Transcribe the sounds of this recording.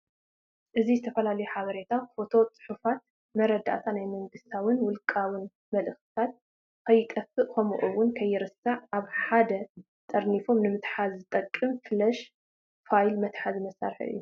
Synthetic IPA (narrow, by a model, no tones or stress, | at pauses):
ʔɨzizɨt̪ʰɐfɐlalɐjuħaβɐɾe̞t̪ʰafo̞t̪ʰo̞t͡sʼɨ̥ħufat̪ | mɐɾɐd̪a̰ʔt̪ʰanajmɐŋɡɨst̪ʰawɨnwʊlkʼawɨn | mɐlɨxt̪ɨ̥t̪ʰat̪̚ | kʰɐjːɪkʼɐfɨʔkʰomuʔuwʊnkʰɐjːɪɾɨsaʕaβħad̪ɐ | t̪ʼɐɾnifo̞mnɨmɨt̪ħazɨt̪ʼɐkʼːɨmfɨlɐʃ | fajlmɐt̪ħazɨmɐsa̰ɾħʔɨ̰jːu